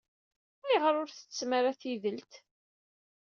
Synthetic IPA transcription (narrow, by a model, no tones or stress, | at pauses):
liʁəɾʊɾθə̥t͡sːt͡sːmaɾaθiðəlt̪